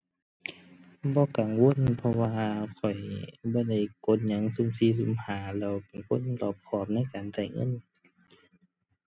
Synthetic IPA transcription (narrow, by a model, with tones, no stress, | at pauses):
bɔː˧˦ka˨ŋwo˧˥˨npʰɔ˧waː˧kʰɔ˨˩jbɔː˧˦da˧˩jko˧˥˨nɲa˧˦˥ŋsu˧˨msiː˧˥˨s̬u˧˩˨mhaː˨˩˦lɛː˧˨wpe˨˩nkʰo˧˥˨nlɔː˧˩p̚kʰɔː˧˩p̚na˧˥˨jkaː˨nt͡ɕa˧˩jŋɤ̰˧˥˨n